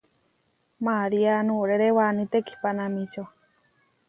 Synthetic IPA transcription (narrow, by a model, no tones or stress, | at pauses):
maɾianũɾeɾewanĩt̪eki̥panamĩt͡ʃo